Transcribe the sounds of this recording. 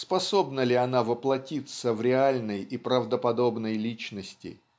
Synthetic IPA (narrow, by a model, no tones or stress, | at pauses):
spɐso̞bnəlʲɪɐnavəplˠɐtʲit̪səvɾʲɪalʲnəjipɾəvd̪əpɐd̪o̞bnəjlʲit͡ɕnəsʲtʲɪ̰